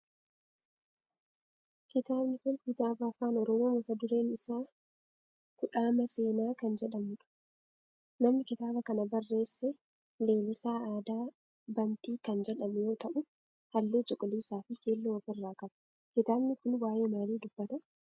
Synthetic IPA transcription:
kɪt̪aːbnɪkʊnkɪt̪aːbɐɐfaːnɔɾɔmo̞ːmɐfɐd̪ʊɾe̞ːnɪsaː | kʊᶑaːmɐse̞ːnaːkɐnd͡ʒɛᶑɐmʊᶑʊ̥ | nɐmnɪkɪt̪aːbɐkɐnɐbɐrːe̞ːsːɛ | le̞ːlɪsaːaːd̪aː | bɐnt̪iːkɐnd͡ʒɛᶑɐmɛjo̞ːt̪ɐʔʊ | hɐlːoːd͡ʒɔkʼʊliːsaːfɪkeːlːuɔfɪrːaːkɐbɐ̥ | kɪt̪aːbnɪkʊnwaːjeːmaːliːd̪ʊbːɐt̪ɐ

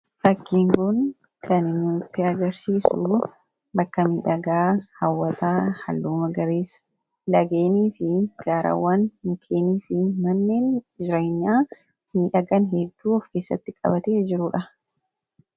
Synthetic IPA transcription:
fɐkːiːŋkʊn | kʰɐnɪmut̪ːɪɐɡɐɾsiːsṵː | bɐkːɐmiːᶑɐɡaːhɐwːɐt̪aːhɐ̰lːuːmɐɡɐɾeːs | lɐɡeːniːfɪɡ̥aːɾʔa̰wːaːnmʊkʰeːniːfɪmɐnːeːnd͡ʒɪɾeːɲːaː | miːᶑɐɡɐnɦɛd̪ːuːɔfke̞ːsːɐ̰t̪ːɪkʼɐ̰bɐt̪eːd͡ʒɪɾʊᶑɐ

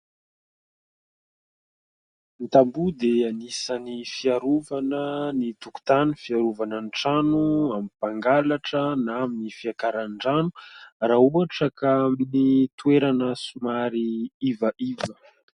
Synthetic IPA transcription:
nit̪ambud̪eanisanifiaɾuvanənit̪uku̥t̪anifiaɾuvanənʈ͡ʂanuamipaŋɡalaʈ͡ʂənaaminifiakaɾaɳɳɖ͡ʐanu̥rauaʈ͡ʂəkaaminit̪ueɾanəsumaɾiivaʔivə

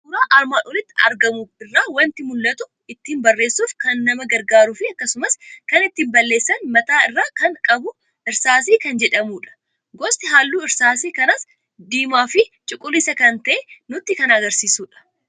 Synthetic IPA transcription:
uːɾaːʔɐɾmaːnʔɔlɪt̪ːɪɐ̰ɾɡɐmuːfɪrːaːwɐnt̪ɪmʊlːɐt̪ʊ | ɪt̪ːiːnbɐrːe̞ːsːuːfkɐnːɐmɐɡɐɾɡaːɾʊfɪɐkːɐsʊmɐskɐnɪt̪ːiːmbɐlːe̞ːsːɐnmɐt̪aːɪrːaːkɐŋkʼɐbʊ | ʔɪɾsaːsiːkɐnd͡ʒɛᶑɐmuːᶑɐ̥ | ɡɔst̪ʼɪɦaːlːuːɪɾsaːsiːkɐnɐs | d̪iːmaːfɪt͡ʃʼʊkʼːʊlːɪsɐkɐnt̪ɐʔenʊt̪ːɪkɐnɐɡɐɾsiːsuːᶑɐ̥

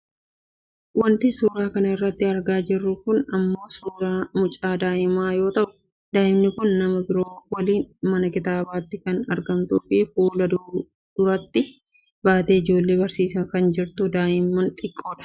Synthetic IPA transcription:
wɐnt̪ɪsuːɾaːkɐnɐɪrːɐt̪ːɪɐɾɡaːd͡ʒɪrːʊkʊnɐmːo̞ːsuːɾaːmʊt͡ʃʼaːd̪aːʔɪmaːjo̞ːt̪ɐʔʊ̥ | d̪aːʔɪmnɪkʊnːɐmɐbɪɾo̞ːwɐliːnmɐnɐkɪt̪aːbaːt̪ːɪkɐnɐ̰ɾɡɐmt̪uːfɪfuːlɐ | d̪̥ʊɾɐt̪ːɪ | baːt̪e̞ːɪd͡ʒo̞ːlːe̞ːbɐɾsiːsɐkɐnd͡ʒɪɾt̪ʊd̪aːʔɪmːɐnt̪ʼɪkʼːo̞ːᶑɐ̥

